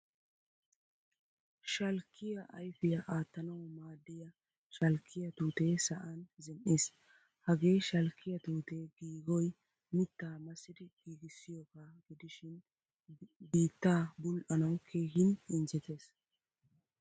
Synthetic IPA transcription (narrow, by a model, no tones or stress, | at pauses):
ʃɐlkːɪjɐʔɐjfɪjɐʔaːt̪ːɐnɐwmaːd̪ːɪjɐ | ʃɐlkʰːɪjɐt̪uːt̪eːsɐʔɐnzɛnʔeːs | hɐɡe̞ːjʃɐlkːɪjɐt̪uːt̪eːɡiːɡɔj | mɪt̪ːaːmɐsːɪd̪ɪɡ̥iːɡɪsːɪjɔkaɡɪd̪ɪʃɪn | biːt̪ːaːbʊlʔɐnɐwkʰeːɡɪnɪnd͡ʒɛt̪e̞ːs